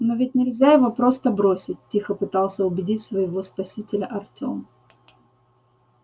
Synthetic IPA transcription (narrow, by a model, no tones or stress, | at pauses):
novʲɪtʲnʲɪlʲzʲajɪvopɾo̞st̪əbɾo̞sʲɪt̚ʲtʲːixəpɨt̪ɑlˠsʲəʊbʲɪdʲitʲsvəjɪvo̞spɐsʲitʲɪlʲəʔɐrtʲo̞̰m